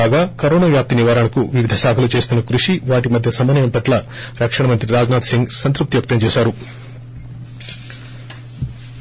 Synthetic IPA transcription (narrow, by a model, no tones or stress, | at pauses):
aːɡaːkɐɾoːnaːʋjaːp̚t̪iniʋaːɾaɳɐkuʋiʋid̪ʱɐsaːkʰɐlut͡ʃe̞ːst̪unːɐkɾuʂiʋaːʈimɐd̪ʱjɐsɐmɐnɐjɐmpɐʈlɐ | ɾɐkʂɐɳɐmɐnt̪ɾiɾaːd͡ʒnaːt̪siŋɡsɐnt̪ɾup̚t̪iʋɐk̚t̪ɐmt͡ʃɛːʃaːɾu